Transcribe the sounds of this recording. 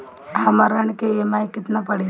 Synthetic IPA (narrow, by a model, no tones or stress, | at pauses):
ɦɐməɾəɳkeemajkɪt̪napɐɽi